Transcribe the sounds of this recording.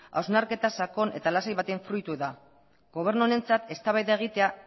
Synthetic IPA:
a̰wznaɾke̞t̪asako̞ne̞̰t̪alasajβat̪e̞ɱfɾujt̪uða | ɡo̞β̞e̞ɾnune̞nt͡sat̪e̞st̪aβajðaeɣ̞it̪e̞a

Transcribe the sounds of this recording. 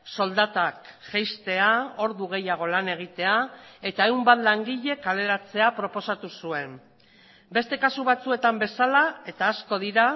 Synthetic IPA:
so̞ld̪at̪akʝejst̪e̞ao̞ɾðuɣ̞e̞jaɣ̞o̞lane̞ɣ̞it̪e̞ae̞t̪ae̞wmbat̪laŋɡiʎe̞kale̞ɾat͡se̞apɾo̞po̞sat̪usue̞m | be̞st̪e̞kasuβat͡sue̞t̪ambe̞salae̞t̪aːsko̞ðiɾa

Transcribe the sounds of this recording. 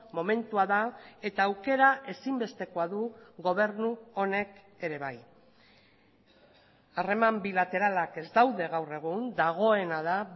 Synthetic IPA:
mo̞me̞nt̪uaðae̞t̪aːwke̞ɾaʔe̞simbe̞st̪e̞ko̞aðuɣo̞β̞e̞ɾnuo̞ne̞k | e̞ɾe̞β̞aj | are̞mambilat̪e̞ɾalake̞zd̪awðe̞ɣawre̞ɣ̞und̪aɣ̞o̞e̞naða

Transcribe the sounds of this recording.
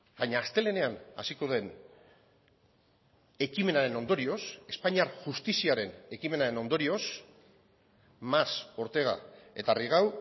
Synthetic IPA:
baɲaːst̪e̞le̞ne̞ana̰siko̞ðe̞n | e̞kime̞naɾe̞no̞nd̪o̞ɾio̞se̞spaɲiaɾʝust̪isiaɾe̞ne̞kime̞naɾe̞no̞nd̪o̞ɾio̞s | maso̞ɾt̪e̞ɣ̞a̰e̞t̪ariɣ̞aw

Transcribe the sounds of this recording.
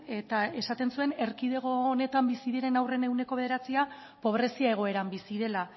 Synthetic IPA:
e̞t̪ae̞sat̪e̞nsue̞ne̞ɾkið̞e̞ɣ̞oːne̞t̪ambisiðiɾe̞nawre̞ne̞wne̞koe̞ð̞eɾat͡sia | po̞β̞ɾe̞siae̞ɣ̞o̞e̞ɾambisiðe̞la

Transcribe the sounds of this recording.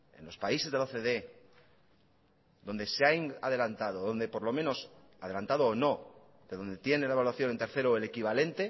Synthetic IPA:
e̞̰nlo̞spaise̞zðe̞lo̞θe̞ðe̞ | ðo̞nd̪e̞seajna̰ðe̞lant̪aðoðo̞nd̪e̞po̞ɾlo̞mẽ̞no̞s | aðe̞lant̪aðoːno̞ | d̪eðo̞nd̪e̞t̪je̞nelaeβalwaθjonent̪eɾθe̞ɾoele̞kiβ̞ale̞nt̪e̞

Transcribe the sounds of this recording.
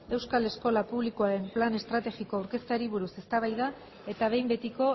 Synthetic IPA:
e̞wskale̞sko̞lapuβlikoaɾe̞mplane̞st̪ɾat̪e̞ɣiko̞awɾke̞st̪aɾiβ̞uɾuse̞st̪aβ̞ajða | e̞t̪aβe̞jmbe̞t̪iko̞

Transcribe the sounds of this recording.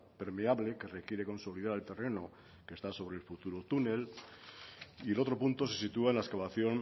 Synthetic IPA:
pe̞ɾmeaβle̞ke̞re̞kje̞ɾe̞ko̞nso̞lið̞aɾalt̪e̞re̞no̞ | ke̞st̪aso̞βɾe̞lfut̪uɾot̪une̞l | ielo̞t̪ɾo̞punt̪o̞se̞sit̪uaenlaeskaβaθjo̞n

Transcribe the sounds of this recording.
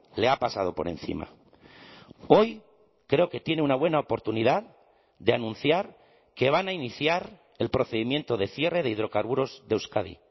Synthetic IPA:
le̞apasað̞o̞po̞ɾe̞̰nθḭma̰ | o̞j | kɾe̞o̞ke̞t̪je̞neunaβwe̞naopo̞ɾt̪uniðað | d̪e̞anũnθjaɾ | ke̞β̞anainiθjaɾ | e̞lpɾo̞θe̞ðimjẽ̞nt̪o̞ðe̞θje̞re̞ð̞e̞iðɾo̞kaɾβuɾo̞zðewskaðḭ

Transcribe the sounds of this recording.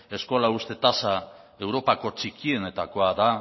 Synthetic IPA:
e̞sko̞laust̪e̞t̪asa | e̞wɾo̞pako̞t͡ʃikie̞ne̞t̪ako̞aða

